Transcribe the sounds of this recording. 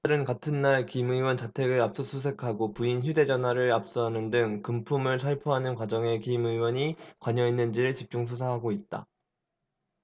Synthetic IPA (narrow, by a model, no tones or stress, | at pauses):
ɾɯnkatʰɯnːaɭkimuiwʌnt͡ɕatʰe̞ɡɯɾap̚s͈ʌsʰus̬ʰe̞kʰaɡopuinçjude̞d͡ʑʌnɦwaɾɯɾap̚s͈ʌɦanɯndɯŋkɯmpʰumɯɭsʰaɭpʰoɦanɯnkwad͡ʑʌŋe̞kimɯiwʌɲikwaɲʌinːɯnd͡ʑiɾɯɭt͡ɕip̚t͡ɕ͈uŋs̬ʰusʰaɦaɡoit̚t͈a̰